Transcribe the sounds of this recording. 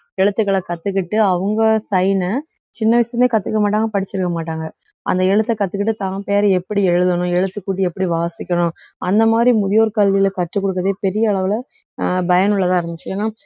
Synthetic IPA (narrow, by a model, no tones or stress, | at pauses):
ɛɻɯt̪ːɯkːɐɭɐkɐt̪ːɯk̬ːɪʈːɯɐʋɐŋɡɐsɐjnɐ | t͡ʃɪnːɐʋɪsɪt̪ɐneːkɐt̪ːɯkːɐmaːʈ̬ːaːŋɡɐpɐɽɪt͡ʃːɪɾɯkːɐmaːʈːaːŋɡɐ | ɐ̰nd̪ɐɛɻɯt̪ːɐkɐt̪ːɯkːɪʈːɯt̪ãːpeːɾɐɛpːɐɽiɛɻɯðɐnʊ̃ɛɻɯt̪ːɯkːuːʈ̬ːiɛpːɐɽiʋaːsɪkʲːɐnʊ̃ | ɐnd̪ɐmaːd̪ɾimʊðɪjoːɾɯkɐlːilɐkɐʈrɯkːɔɽɯkːɐðeːpɛɾɪjɐːɭɐʋɪlɐ | bɐjɐnɯɭːɐt̪ãːɪɾɯnd̪ɯt͡ʃːɯeːnaː